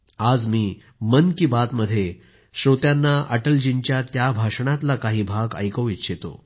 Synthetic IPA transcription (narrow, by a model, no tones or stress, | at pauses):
ad͡zmiː | mənkiːbat̪məd̪ʱːje | ɕɾot̪janːaʔəʈəld͡ʑint͡ɕjat̪jabʱaʂɳat̪lakaɦiːbʱaɡə̰jkəit̪ːɕʰet̪o̰